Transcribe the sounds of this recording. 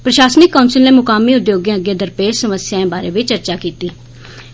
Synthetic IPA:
pɾəʃaːsnɪkːaʊnsəlneːmʊkaːmiːʊd̪joːɡjãːəɡjẽːd̪əɾpeːʃsəməsɪjãẽːbaːɾeːʋɪt͡ʃəɾt͡ʃaːkiːt̪iː

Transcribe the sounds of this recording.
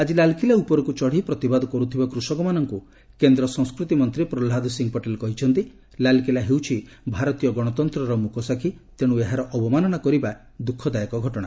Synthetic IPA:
ad͡ʒilalkilaupɔɾɔkut͡ʃɔɽ̤ipɾɔt̪ibad̪ɔkɔɾut̪ʰibakɾusɔkɔmanɔŋku | kend̪ɾɔsɔ̃ŋskɾut̪imɔnt̪ɾipɾɔlɦad̪ɔsiŋpɔʈelɔkɔɦit͡ʃʰɔnt̪i | lalkilaɦewt͡ʃʰi | bʱaɾɔt̪ijɔɡɔɽ̃ɔt̪ɔnt̪ɾɔɾɔmukʰɔsakʰit̪eɽ̃ueɦaɾɔʔɔbɔmanɔñakɔɾiba | d̪ukʰːɔd̪ajɔkɔɡʱɔʈɔɽ̃a̰

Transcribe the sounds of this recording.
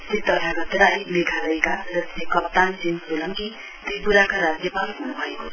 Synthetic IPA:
sit̪ːʌɾaɡʌt̪ɾajmeɡʱalʌjkaɾʌsekʌp̚t̪ansinsulʌŋki | t̪ibuɾakaɾad͡zjʌpalɦunubʱʌḛko̥

